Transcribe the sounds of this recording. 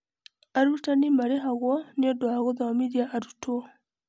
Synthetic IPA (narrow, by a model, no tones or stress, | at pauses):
aɾutanimaɾeɦaɣɔniodwaɣoðamidiaʔaɾuto